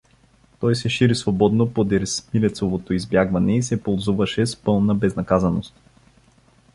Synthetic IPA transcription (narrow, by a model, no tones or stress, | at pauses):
t̪ɔjsɛʃiɾisvobɔd̪nopod̪ɛɾsmilɛt̪sovot̪oizbjaɡvɐnɛisɛpolˠzuvɐʃɛspɤlˠnəbɛznɐkazɐnost̪̚